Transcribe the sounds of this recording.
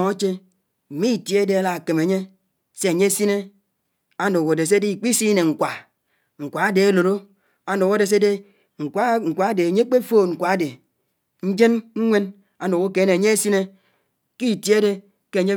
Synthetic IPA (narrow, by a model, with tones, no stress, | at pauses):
a˦t͡ʃe˦ | m̩˨mi˦˨tje˦de˦a˦la˨ke˨me˨ɲe˦ | se˦a˨ɲe˦si˦ne˦ | a˦no˨ko˨de˨s̬e˦de˦i˨k͡pi˦si˦ne˨ŋ̩˨kʷa˨ | ŋ̩˨kʷa˨a˦de˨e˦lo˨ɾo˦ | a˦no˨ko˦de˨s̬e˦de˦ | ŋ̩˨kʷa˦ŋ̩˨kʷa˨a˦de˨a˨ɲe˦k͡pe˦fo˦˨ŋ̩˨kʷa˨a˦de˨ | n̩˦d͡ʒe˦nŋ̩˦ŋʷe˦n | a˨no˨ko˦ke˨˦ne˨ɲe˦e˦si˦ne˦ | ki˦˨tje˦de˦ | ke˦˨ɲe˦